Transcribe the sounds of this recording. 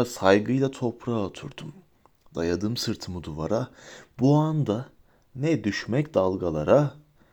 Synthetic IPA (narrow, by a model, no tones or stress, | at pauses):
asajɡɯjlˠat̪ʰo̞pʰɾaot̪ʰuɾd̪̥um | d̪̥ajad̪ɯːmsɯɾt̪ʰɯmud̪uvaɾabuand̪a | nɛd̪yʃmɛcd̪alˠɡalˠaɾa